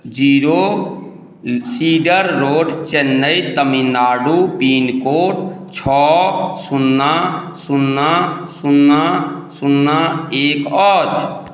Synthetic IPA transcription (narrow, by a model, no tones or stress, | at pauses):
d͡ʒiːɾo | siːɖəɾːoːɖt͡ʃenːəjt̪əminaːɖupiːnkoːʈ | t͡ʃʰɔːsunːã | sunːãsunːasunːãeːkɔːt͡ʃ